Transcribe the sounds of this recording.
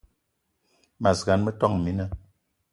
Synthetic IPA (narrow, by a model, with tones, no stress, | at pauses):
ma˨zɡa˨˦nmə˦tɔ˦˨ŋmi˨˦nə˦